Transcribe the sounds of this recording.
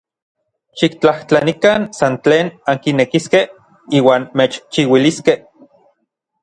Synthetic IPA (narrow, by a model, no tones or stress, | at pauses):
ʃik̚t͡ɬaht͡ɬanikansant͡ɬeːnaŋkinekiskeh | iːwaːnmet͡ʃt͡ʃiwiliskeh